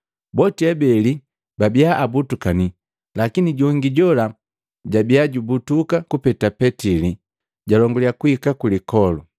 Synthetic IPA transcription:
bɔtiɛbɛli | babiaʔabutukani | lakiniɟɔŋɡiɟɔla | ɟabiaɟubutukakupɛtapɛtili | ɟalɔŋɡɔljakuikakulikɔlu

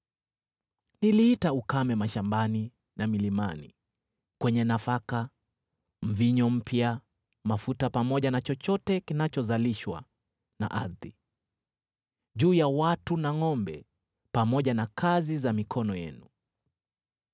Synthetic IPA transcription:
niliitaukamɛmaʃambani | namilimanḭ | kwɛɲɛnafaka | m̩viɲɔm̩pʰja | mafutapamɔʄanat͡ʃɔt͡ʃɔtɛkinat͡ʃɔzaliʃwa̰ | na̰ʔa̰ɾði | ʄuːjawatunaŋɔmbɛ̰ | pamɔʄanakʰazizamikʰɔnɔjɛ̰nu

